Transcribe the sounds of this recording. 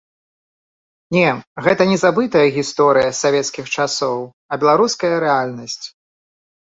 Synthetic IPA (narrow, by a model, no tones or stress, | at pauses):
nʲɛɣɛt̪ɐnʲɛzabɨt̪ɐjɐɣʲist̪ɔɾɨjɐsavʲɛt̪skʲixt͡ʂasɔw | ɐbʲɛlˠaɾuskɐjɐɾɛalʲnɐsʲt͡sʲ